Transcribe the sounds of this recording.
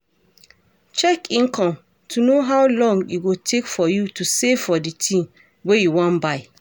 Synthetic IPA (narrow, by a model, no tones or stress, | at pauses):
t͡ʃɛkĩnkʰɔ̃m | tʰunoɦawlɔ̃ŋɡuɡotʰekfɔjutusevfɔditʰĩn | wejuwɔ̃nbaɪ